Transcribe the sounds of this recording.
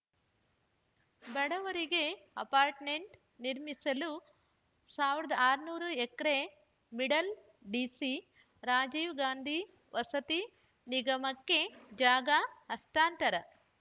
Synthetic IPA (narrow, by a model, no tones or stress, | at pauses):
bɐɽɐʋɐɾiɡe̞ɐ̰paːɾʈme̞ɳʈ | niɾmisɐlu | saːʋiɾɐd̪ɐaːɾnuːɾuekɐɾe | miɽɐl | ɖiːsi | ɾaːd͡ʒiːʋɡaːnd̪ʱi | ʋʔɐsɐt̪i | niɡɐmɐkːe̞d͡ʒaːɡɐɐst̪aːnt̪ɐɾɐ